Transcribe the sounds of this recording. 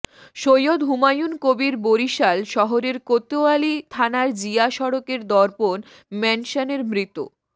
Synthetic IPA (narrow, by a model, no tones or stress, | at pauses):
ʃojod̪ɦumajunkobiɾboɾiʃalʃɔɦoɾeɾkot̪oalit̪ʰanaɾd͡ʑiaʃɔɾokeɾd̪ɔɾpon | mɛnʃaneɾmɾit̪ṵ